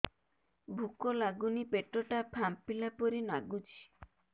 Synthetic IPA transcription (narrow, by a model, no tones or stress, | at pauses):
bʱukɔlaɡunipeʈoʈapʰampilapɔɾinaɡut͡ʃʰi̥